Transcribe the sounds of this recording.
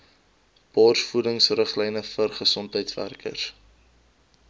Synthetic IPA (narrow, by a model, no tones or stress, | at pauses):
b̥ɑːrsfudəŋsrəχlɛjnəfərχəsɔntɦəjtsvæ̰rkə̰r